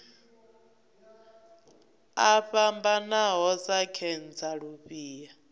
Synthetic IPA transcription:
aɸambanaɦɔsakʰɛnd͡zaɺuɸiːja

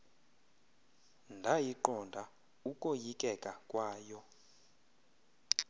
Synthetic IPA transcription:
ndʱajiǃɔndʱa | ukʼojikʼɛkʼakʼwaːjɔ

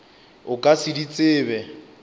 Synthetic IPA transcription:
ʊkʼasɪdit͡sʼɪːβɛ

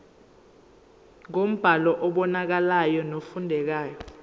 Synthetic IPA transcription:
ŋom̩b̥ʱalɔʔɔɓɔnak̬alajɔnofundʱɛk̬aːjɔ

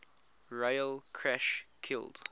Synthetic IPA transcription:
ɹɔjəlˠkʰɹæʃkʰɪ̰lˠd̥

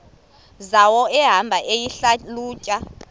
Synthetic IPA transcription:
zawɔɛɦambʱaʔejiɬaluːcʼa

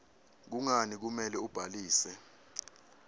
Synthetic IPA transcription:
k̬uŋanik̬umɛlɛub̥ʱaliːsɛ

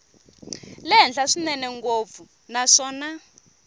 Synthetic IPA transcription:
lɛɦɛnd͡ɮaʂinɛnɛŋɡob̪fu | naʂɔːna

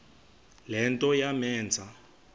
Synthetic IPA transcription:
lɛntʼɔjamɛːnd͡zʱa

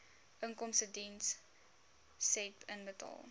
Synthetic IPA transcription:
ʔəŋkɔmsədins | sepənbətɑ̰lˠ

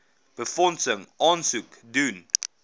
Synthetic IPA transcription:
b̥əfɔnsəŋʔɑːnsukdun

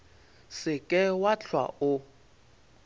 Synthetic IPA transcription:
sɪkʼɛwat͡ɬʰwa̰ʊ

